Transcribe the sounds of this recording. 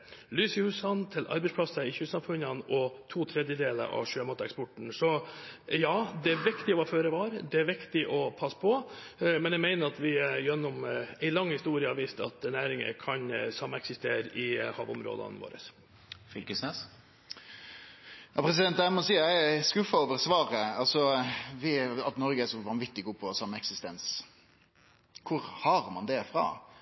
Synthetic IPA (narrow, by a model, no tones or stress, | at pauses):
lyːsɪhʉsɑnt̪ʰɪlʔɑ̰ɾbɛɪspʰlɑsəɪçʉːsɑmfʉnɑnɔt̪ʰuːt̪ʰɾɛd̪jəd̪eːlə̰ɾʔɑ̰ʋʂøːmɑːt̪əɛkspɔʈɳ̩sɔjɑːd̪ɛæɾʋɪkt̪ɪɔɑføːɾəʋɑːɾd̪ɛæɾʋɪkt̪ɪʔɔpʰɑsːpʰɔmɛnjæɪmæɪnəɾɑt̪ʋɪjɛnːʊmæɪlɑŋːhɪst̪uːɾɪəɑʋiːst̪ɑ̰t̪næːɾɪŋə̰kʰɑnsɑmːəɛksɪst̪eːɾʔɪhɑ̰ːʋʊmɾo̰ːd̪ɑ̰nʋo̰ːɾə̰s | fʏlkəsnɛːs | jɑːpʰɾɛs̬ɪd̪ɛnt̪æɪmɔsiːɑæɪskʉfːɑoːʋəɾsʋɑːɾəɑlsɔʋɪɑt̪nɔɾɡəæʂɔʋɑnʋɪt̪ːɪɡuːpʰɔsɑmːəɛksɪst̪ɛns | kʰʊɾhɑɾmɑnd̪ɛfɾɑ̰